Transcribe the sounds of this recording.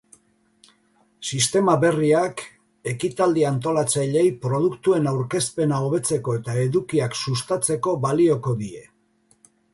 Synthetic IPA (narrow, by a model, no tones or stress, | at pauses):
sist̪e̞maβe̞riak | e̞kit̪ald̪iant̪o̞lat͡sajʎe̞jpɾo̞ð̞ukt̪ue̞nawɾke̞spe̞nao̞β̞e̞t͡se̞ko̞e̞t̪ae̞ðukiaksust̪at͡se̞ko̞βalio̞ko̞ðie̞